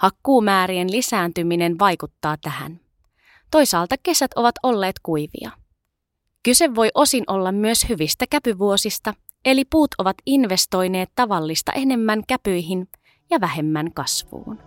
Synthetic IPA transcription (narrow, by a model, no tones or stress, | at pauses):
hɑkːuːmæːɾienlisæːnt̪ymine̞nʋɑjkut̪ːɑːt̪æhæ̰n | t̪o̞jsɑːlt̪ɑke̞sæt̪o̞ʋɑt̪o̞lːe̞ːt̪kujʋḭɑ̰ | kyse̞ʋːo̞jʔo̞sinʔo̞lːɑmːyøshyʋist̪ækæpyʋuo̞sist̪ɑ | e̞lipuːt̪o̞ʋɑt̪inʋe̞st̪o̞jne̞ːt̪t̪ːɑʋɑlːist̪ɑ̰ʔe̞ne̞mːæŋkæpøjɦin | jɑʋæɦe̞mːæŋkɑsʋṵːn